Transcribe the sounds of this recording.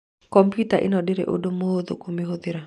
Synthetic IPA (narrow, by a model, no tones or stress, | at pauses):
kɔmpjutaʔɪ̰nɔdɪɾḛʔo̰domod̪o̰komiɦod̪ɪɾa